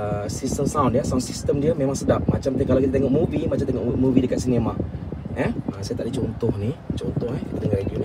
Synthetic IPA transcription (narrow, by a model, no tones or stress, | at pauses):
əsist̪əmsawndjasawnsist̪əmdiəmẽmãŋsədap̚mat͡ʃamt̪kalawkit̪at̪eŋɔʔ̚muvimat͡ʃamt̪eŋɔʔmuvidəkat̪̚sinemaɛasajat̪aʔdit͡ʃont̪ɔhnit͡ʃont̪ɔhahkit̪adəŋanrediuni